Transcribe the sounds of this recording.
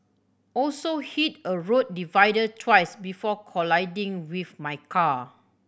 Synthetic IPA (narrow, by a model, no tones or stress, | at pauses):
ɔlsohitəɹot̚divajdəd̚tʰwajsbifɔkʰɔlaɪdĩŋwifmajkʰa